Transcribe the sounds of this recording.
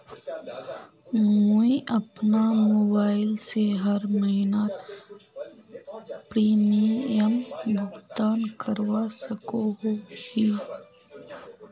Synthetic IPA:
muiʔɐpnamoːbaːɪlseɦɐɾməɦna | pɾiːmiəmɡʊɡd̪aːnkʰəɾwasəkoɦohiː

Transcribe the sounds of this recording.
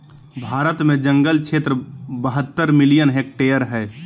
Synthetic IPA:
bʱaːɾət̪mẽd͡ʒə̃ŋɡəlt͡ʃʰeːt̪ɾəbəɦət̪ːəɾmɪlijənɦeːk̚ʈejəɾɦɛː

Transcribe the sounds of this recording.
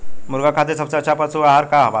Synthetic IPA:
muɾɡakʰat̪esəpsat͡ɕapət͡suaɦaɾkaɦaba̰

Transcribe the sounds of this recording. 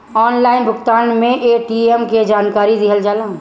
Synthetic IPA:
ɔːnlaːɪnbʱʊkt̪aːnmẽʔeːʈiemked͡ʒaːnkaːɾid̪iɦəld͡ʒaːlãː

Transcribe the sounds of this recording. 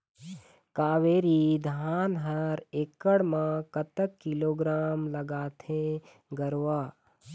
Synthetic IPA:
kaːʋeːɾid̪ʱaːnɦəɾekːəɽmãkət̪əkːɪloːɡɾaːmlɐɡaːt̪ʰẽ | ɡəɾwaː

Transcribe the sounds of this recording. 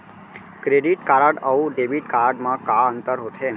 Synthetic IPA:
kɾeɖiʈkaɾaɖəʋũɖebiʈkaɾaɖmãkaənt̪əɾɦot̪ʰe

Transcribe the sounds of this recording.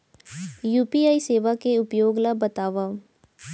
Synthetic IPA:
juːpiaːiseːʋakeʊpjoːɡlabɐt̪aːʋa

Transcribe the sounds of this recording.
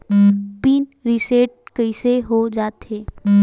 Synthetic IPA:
piːnɾiseːʈ̚kəɪseɦod͡ʒaːt̪ɦeː

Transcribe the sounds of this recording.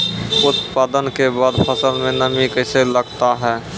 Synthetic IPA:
ʊt̪paːd̪ənkebaːd̪pʰəsəlmẽnəmikəɪseləɡt̪aɦɛː

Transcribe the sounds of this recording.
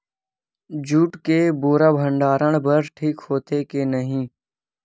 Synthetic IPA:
d͡ʒuːʈkeːboːɾaːbʱəɳɖaːɾəɳ̃bəɾʈʰiːkhoːt̪ʰeːkeːnəɦĩː

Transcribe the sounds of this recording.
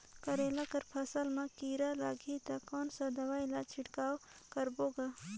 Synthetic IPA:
kəɾeːlakəɾpʰɐsəlmãkiːɾalaːɡʱit̪akɔːnsad̪ɐʋaːɪlat͡ʃʰɪʈkaːw | kəɾboːɡa

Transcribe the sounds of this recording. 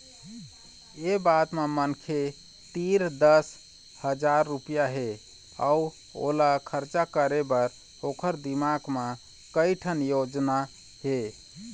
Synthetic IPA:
ebat̪memənkʰe | t̪iɾd̪əs | həd͡ʒaɾːupijaɦe | a̰u | o̰lakʰəɾt͡ʃakəɾebəɾ | okʰəɾd̪imaɡmẽ | kəjʈʰənjod͡ʒna | ɦe

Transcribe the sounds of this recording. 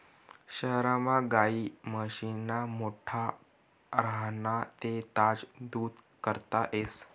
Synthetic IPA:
ɕəɦɾamaɡaiːməɕinamoʈʰa | ɾaɦnat̪et̪ad͡zd̪uːd̪kəɾt̪aʔes

